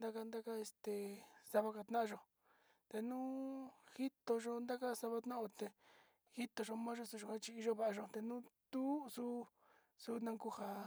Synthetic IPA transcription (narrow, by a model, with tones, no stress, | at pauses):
d̪a˦ka˧nd̪a˦ka˦e˧st̪e˨sa˧βa˧ka˧t̪nã˦ã˧ʒo˧ | t̪e˧nũː˦hi˦t̪o˧ʒo˧nd̪a˦ka˦sa˧βa˧t̪nã˦ʔo˧t̪e˧ | hi˦t̪o˧ʒo˧mã˦ʒo˧su˧ʒo˧ka˦t͡ʃi˧i˧ʒo˦βa˧˨a˧ʒo˧t̪e˧nũ˦t̪u˦su˦ | su˧nã˧ku˧ha˨